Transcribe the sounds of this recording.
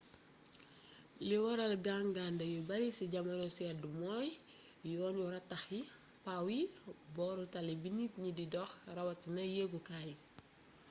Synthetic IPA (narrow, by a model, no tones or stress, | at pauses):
liwɐɾɐlɡaŋɡandɐjubɐɾisiɟɐmɐnɔsɛdumɔːjjɔːnjuɾɐtːɐxji | pawibɔːɾutalibinitɲididɔxrɐwɐtinɐjeɡukaj